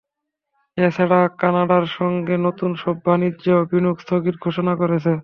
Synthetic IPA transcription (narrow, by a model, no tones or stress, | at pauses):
esʰaɽakanaɖaɾʃɔŋɡenot̪unʃɔbʱːanid͡ʑeobinukst̪ʰoɡiɾɡʱoʃonakoɾet͡ɕʰe